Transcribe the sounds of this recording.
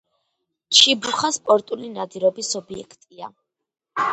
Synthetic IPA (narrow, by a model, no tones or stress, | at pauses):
t͡ʃʰibɾuχaspʼɔɾt̪ʼulinad̪iɾɔbisɔbiɛ̰kʰt̪ʼia̰